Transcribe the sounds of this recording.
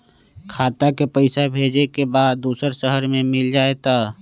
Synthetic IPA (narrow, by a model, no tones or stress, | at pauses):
kʰaːt̪akepəɪsabʱeːd͡ʒekebaːd̪ːuːsəɾʃəɦəɾmẽmɪld͡ʒaːet̪aː